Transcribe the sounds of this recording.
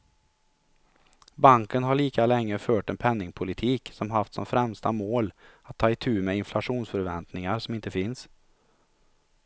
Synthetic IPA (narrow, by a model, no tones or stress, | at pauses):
baŋkənɦaɭiːkalɛŋːəføːʈɛnpʰɛnːɪŋpʰʊlɪt̪ʰiːksɔmɦaft̪sɔ̰mfɾɛmst̪a̰moːlat̪ʰːɑːɪt̪ʰʉ̟ːmeɪnflaʂuːnsfœɾvɛnt̪nɪŋaɾsɔmɪnt̪əfɪns